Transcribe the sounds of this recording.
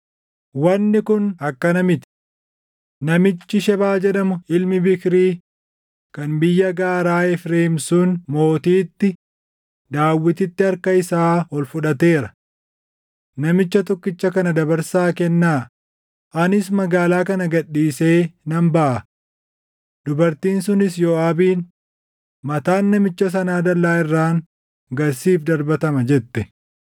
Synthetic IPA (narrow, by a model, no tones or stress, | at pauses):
wɐnːɪkʊnɐkːɐnɐmɪt̪ɪ̥ | nɐmɪt͡ʃːɪʃɛbaːd͡ʒɛᶑɐmʊɪlmɪbɪkɾiː | kɐnbɪjːɐɡaːɾaːɛfɾeːmsuːnmo̞ːt̪iːt̪ːɪ | d̪aːwːɪt̪ɪt̪ːɪɐɾkɐɪsaːhɔlfʊᶑɐt̪e̞ːɾɐ̥ | nɐmɪt͡ʃːɐt̪ɔkːɪt͡ʃːɐkɐnɐd̪ɐbɐɾsaːkɛnːaː | ʔɐnɪsmɐɡaːlaːkɐnɐɡɐɗːiːse̞ːnɐmbɐʔɐ | d̪ʊbɐɾt̪iːnsʊnɪsjɔːaːbiːn | mɐt̪aːnːɐmɪt͡ʃːɐs̬ɐnaːd̪ɐlːaːɪrːaːŋ | ɡɐɾsiːfd̪ɐɾbɐt̪ɐmɐd͡ʒɛt̪ːɛ